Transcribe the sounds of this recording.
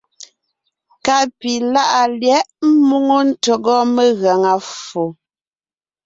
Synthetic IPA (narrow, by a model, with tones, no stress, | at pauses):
ka˦ʔpi˨la˦ʔa˨ljɛ˦ʔm̩˦mu˦ŋo˦n̩˦to˨ɡɔ˦me˦ɣɛ˨ŋa˨fo˨